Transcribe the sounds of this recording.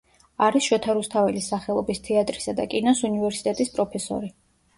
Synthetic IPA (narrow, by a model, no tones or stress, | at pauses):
aɾisʃwɛt̪ʰaɾust̪ʰavɛlisaχɛlˠɔbist̪ʰɛat̪ʼɾisad̪a̰kʼinasunivɛɾsi̥t̪ʼɛt̪ʼispʼɾɔpʰɛsɔ̰ɾi